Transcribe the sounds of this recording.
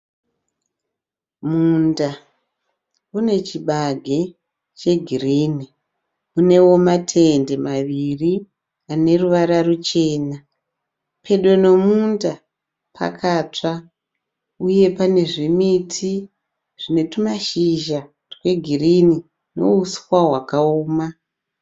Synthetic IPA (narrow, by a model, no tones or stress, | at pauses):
munda | une̞t͡ʃiɓaɡʱe̞ | t͡ʃe̞ɡʱiriːni | une̞wo̞matʰe̞nde̞maʋiri | ane̞ruʋaɾarut͡ʃe̞ːna | pʰe̞ɗwe̞no̞munda | pʰa̰kʰaːt͡ʂa | uje̞pane̞ʐimitʰi | ʐ̥ine̞tumaʃiʒa | rwe̞ɡʱirini | no̞̰uswaɦwakaoːma